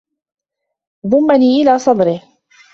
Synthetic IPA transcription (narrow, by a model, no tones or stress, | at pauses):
ðˤʊmːaniːʔɪlaːsˤɑd̪ˤɾɪh